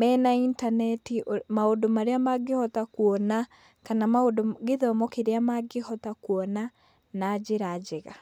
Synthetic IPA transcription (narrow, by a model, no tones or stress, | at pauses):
mɛnaintanɛtimaodomaɾeamaɡehɔtakuɔna | kanamaodoɡeðɔmɔkeɾeamaɡehɔtakwɔna | nad͡ʑeɾad͡ʑeɣa